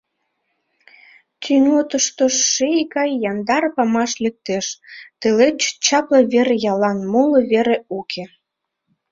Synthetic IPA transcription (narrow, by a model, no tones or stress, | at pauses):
t̪ʰynot̪əʃt̪oʃːejkɑjːɑnd̪ɑrpɑmɑʃlʲek̚t̪eʃt̪elet͡ɕt͡ɕɑpləβeɾejɑlɑnmoloβeɾeukʰe